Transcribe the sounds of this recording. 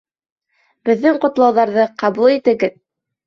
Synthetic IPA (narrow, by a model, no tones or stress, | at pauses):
bɘ̆ðːɘŋqŏt̪lˠɑwðɑɾðɤqɑβulˠit̪ɘ̆ɡɘð